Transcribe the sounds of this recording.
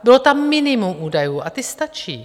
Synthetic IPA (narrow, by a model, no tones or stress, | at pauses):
bɪlot̪amːɪnɪmumʔuːdajuːʔat̪ɪst̪at͡ʃḭː